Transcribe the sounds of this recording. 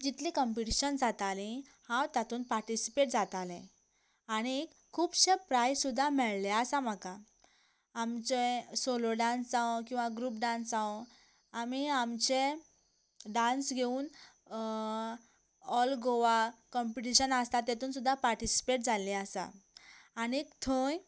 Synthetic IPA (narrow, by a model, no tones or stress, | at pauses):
d͡ʑit̪likəmpiʈiɕənd͡zat̪alĩ | hãwt̪jat̪uːnpaɾʈisi̥peʈ̚d͡zat̪alẽ | aɽ̃ikʰːuːbɕepɾajsud̪ʱːamɛɭleəsam̤aka | amt͡ɕesoloɖãnsd͡zãkĩw̃ʋaɡɾuːpɖãnsd͡zãʋ | amiamt͡ɕe | ɖãnsɡʱeuːn | ɔlɡoʋakɔmpiʈiɕənast̪at̪et̪uːnsud̪ʱːapaɾʈisi̥peʈ̚d͡zʱalĩasa̰aniekt̪ʰoj